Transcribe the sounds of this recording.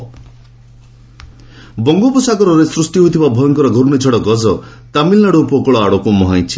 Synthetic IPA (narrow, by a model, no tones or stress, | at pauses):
bɔŋɡopusakɔɾɔɾesɾusʈiɦojt̪ʰibabʱɔjɔŋkɔɾɔɡʱoɾunit͡ʃʰɔɽɔɡɔd͡zɔt̪amilnaɽuːpɔkɔɭɔaɽokumɔɦaj̃t͡ʃʰi̥